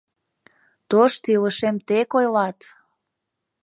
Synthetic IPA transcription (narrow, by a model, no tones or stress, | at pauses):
t̪oʃt̪iləʃemt̪ekojlɑt̪